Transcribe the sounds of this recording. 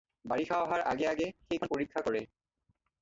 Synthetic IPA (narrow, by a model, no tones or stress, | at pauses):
baɹixʰawɦaɹʔaɡeaɡexejkʰɔnpoɹikʰːakɔɹe